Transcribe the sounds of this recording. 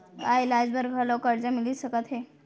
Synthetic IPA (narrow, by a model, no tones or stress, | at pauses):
ajlad͡zbəɾɡʱalɔkəɽd͡ʑamiliːt̪ɕəkat̪ɦe